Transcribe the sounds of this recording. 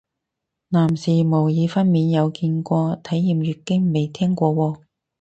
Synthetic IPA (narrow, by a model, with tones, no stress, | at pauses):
naː˨˩msiː˨˩mo˨˩wjiː˨˧fɐ˥nmiː˨˧njɐ˨˧wkiː˧nkʷɔː˧t̪ʰɐ˨˥jːiː˨mjyː˨kːɪ˥ŋme˨˩jt̪ʰɛː˥ŋkʷɔː˧wɔː˧